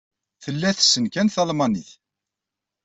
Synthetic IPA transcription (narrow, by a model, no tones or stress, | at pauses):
θəlːæθsːənkænθɑlmɑniθ